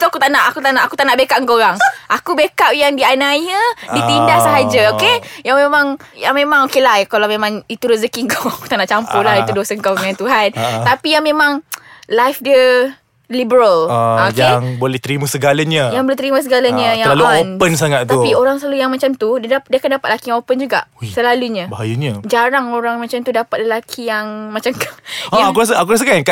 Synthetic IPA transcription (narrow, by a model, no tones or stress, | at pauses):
t̪akut̪aʔnaʔakut̪anaʔaku̥t̪aʔnaʔbekaʔəŋkoɾaŋʔakubekaʔjaŋdianaɲədit̪indahsəɦad͡ʒaokejaŋmemãŋ | jaŋmẽmãŋokelajkalawmẽmaŋit̪uɾəzəkiŋɡoaku̥t̪anaʔt͡ʃampulait̪udosəŋkaaŋãnt̪uɦant̪apijaŋmẽmãŋlajfdə | libəɾalaakjaŋbolɛht̪əɾimasəɡalaɲəjaŋboleht̪əɾimãs̬əɡalaɲə̃jaŋaluonpəns̬aŋat̪t̪aupioɾaŋsəlalujaŋmat͡ʃamt̪uddadiakandapat̪lakijaŋopənd͡ʒuɡa̰ʔusəlaluɲãbaɦajaɲəd͡ʒaɾaŋoɾaŋmat͡ʃamt̪udapat̪̚ləlakʰijaŋmat͡ʃamkaakuɾas̬əakuɾas̬əkanka